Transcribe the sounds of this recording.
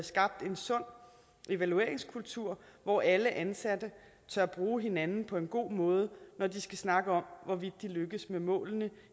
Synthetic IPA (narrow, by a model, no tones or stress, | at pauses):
sɡ̥ɑ̈b̥̚d̥e̝nsɔ̽n̰ | ʔe̝ʋælue̝ɐeŋskʰult͡sʰuɐ̰ʋɒʔæləʔænsæd̥ə | t͡sʰɶɐb̥ʁuːɦe̝nænn̩pʰɒ̽e̝nɡ̥o̝̰ːmɔ̽ːð̞ˠənɒdisɡ̥æsnɑ̈ɡ̥əɒ̽m̰ʋɒʋid̥̚ːiløɡ̥əsmemɔ̰̽ːlnə